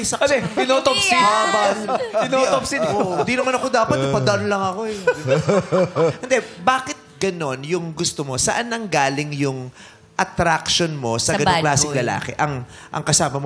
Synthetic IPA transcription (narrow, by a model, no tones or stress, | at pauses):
jsɐɛɪnot̪opsiabɪnot̪opsɪɪd̪inɐmanɐkod̪aːpɐt̪pɐd̪ɐʔɐnlɐŋɐko̞ɛ | kʊnd̪ɛbaːkɪt̪̚ɡɐno̞njʊŋɡʊst̪omo̞sɐʔanːɐŋɡaːlɪŋjʊŋ | ʔɐt̪ɾakʃonmo̞sɐɡɐoklaːsɪŋlɐla̰ːkɛ̰ʔɐŋ | ʔɐ̰ŋkɐsaːmɐmo